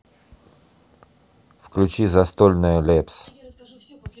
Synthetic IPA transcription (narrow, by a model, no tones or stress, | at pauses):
fklʲʉt͡ɕizɐst̪olʲnəjəlʲeps